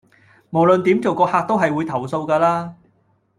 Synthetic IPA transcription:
mo˨˩wlɵ˨nt̪iː˨˥mt͡so˨wkɔː˧haː˧k̚t̪o˥wɦɐ˨jwuː˨˧jt̪ʰɐ˨˩wso˧wkaː˧laː˥

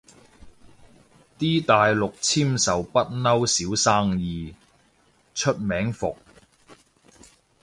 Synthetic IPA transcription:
t̪iː˥t̪aː˨jlʊ˨k̚t͡sʰiː˥msɐ˨wpɐ˥t̚nɐ˥wsiː˨˥wsaː˥ŋjiː˨˧ | t͡ʃʰɵ˥t̚mɛː˨˥ŋfʊ˨k̚

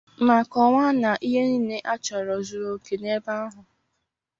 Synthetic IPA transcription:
ma˨kɔ˨ŋʷa˦na˨ʔi˦ɦe˦ni˦ne˦ʔa˦t͡ʃɔ˨ɾɔ˨zu˨ɾo˨ke˨ne˦ba˦ɦʊ˨

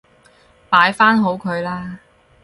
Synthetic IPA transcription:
paː˨˥jfaː˥nɦo˨˥wkʰɵ˨˧ɥlaː˥

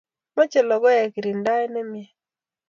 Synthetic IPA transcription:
mɔ˦t͡ʃɛ˨lɔ˨ɡɔ˦jɛ˨ki˨ɾi˨nda˦ɛ˦nɛ˦mjɛ˨

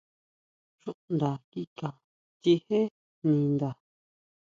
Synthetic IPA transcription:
ʃũ˦ʔnd̪a˨ki˦ka˨ | t͡ʃi˧he˦ | nĩ˧˨nd̪a˨

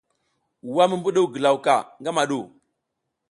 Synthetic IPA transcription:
wa˦mə˦mbu˦ɗu˦˨ɡə˨la˨wka˨ŋɡa˦ma˨ɗu˨

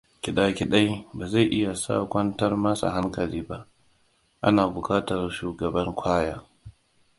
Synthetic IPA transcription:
kʲɪ˨ɗaː˦kʲi˨ɗa˦jbaː˨za˦˨jʔɪ˦ja˨sa̰ː˦˨kʷɐ˦ntɐ˦rma˦sa̰˨ɦa˦ŋkɐ˨liː˦ba˦ʔ | ʔa˦naː˨bʊ˨kaː˦tɐ˨rʃuː˨ɡɐ˨bɐ˦ŋkʷaː˦jaː˦

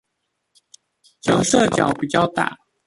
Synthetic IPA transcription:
t͡ɕɤ˨˥ŋʂɤ˥˨˩t͡ɕjɑ̰˨˩ʊpi˨˩t͡ɕjɑ˥˧ʊt̪a̰˥˩

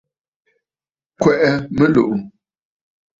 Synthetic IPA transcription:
kwɛ˨ʔɛ˦mə˦lo˨ʔ

